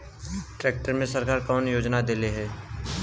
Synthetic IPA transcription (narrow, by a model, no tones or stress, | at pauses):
ʈɾɛːk̚ʈəɾmẽsəɾkaːɾkɔːnjoːd͡ʒnad̪eːleɦɛː